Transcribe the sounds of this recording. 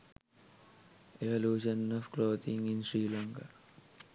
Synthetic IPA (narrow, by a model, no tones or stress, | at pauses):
eʋɐluːʂɐnɔʋkloːt̪ĩŋinsɾiːlaŋka